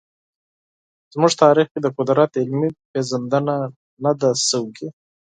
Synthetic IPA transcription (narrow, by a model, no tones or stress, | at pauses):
zmuʐt̪ɑɾixked̪əqʊd̪ɾat̪ɪlmipezand̪əna | nad̪asəwɡi